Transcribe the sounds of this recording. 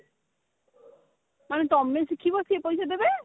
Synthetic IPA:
manet̪ɔmlesikʰibosʰiepojt͡ɕʰed̪ebe

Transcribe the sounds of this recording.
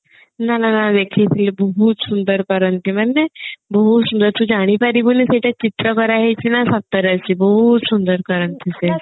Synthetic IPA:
nananad̪ekʰit̪ʰilebəɦut̪sund̪əɾkəɾənt̪imanːebəɦut̪sund̪əɾt̪ud͡ʑaɽ̃ipaɾibuniseʈʰat͡ɕit̪ɾəkəɾaɦet͡ɕinasap̚t̪əɾat͡ɕibəɦut̪sund̪əɾkəɾənt̪ʰise

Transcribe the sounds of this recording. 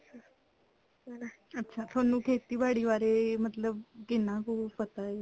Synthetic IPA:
an | ətːɕʰat̪ʰonuːkʰet̪iːbaɽiːʋaɾemət̪ləb̚ɡenakuːfət̪ae

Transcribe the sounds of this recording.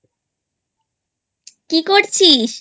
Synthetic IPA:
kikoɾt͡ɕʰiʃ

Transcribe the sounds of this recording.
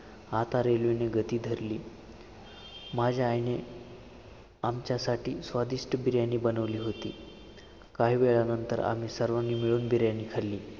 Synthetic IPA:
at̪aɾelʋineɡət̪iːd̪ʱəɾliː | mad͡ʑʱaːjne | amt͡ɕjasaʈiːsʋad̪iʂʈəbiɾjanːiːbənəʋliːɦot̪ḭː | kaɦiːʋeɭanənt̪ə̰ɾa̰m̤iːsəɾʋanːiːmiɭuːnbiɾjanːiːkʰəlːiː

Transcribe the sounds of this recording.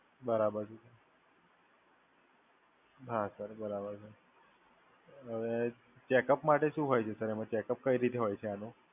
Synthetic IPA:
bəɾabəɾsusə | bʱasəɾbəɾabəɾsəɾ | əʋe | t͡ɕɛkəpmaʈeʃũːɦojt͡ʃʰesəɾemə̃t͡ɕɛkəp̚kəiɾit̪ʰeɦojt͡ʃʰeano

